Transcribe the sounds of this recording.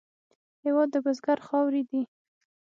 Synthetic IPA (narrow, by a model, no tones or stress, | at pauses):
hewɑd̪ːəbəzɡaɾxɑwɾid̪i